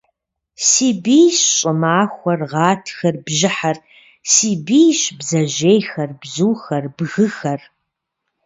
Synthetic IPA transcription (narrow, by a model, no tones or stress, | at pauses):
siːbijɕɕʼɪmaːxʷɐrʁɑːtʰxɐrbʒɪħar | siːbijɕbzɐʑejxɐrbzuːxɐrbɣɨxɐr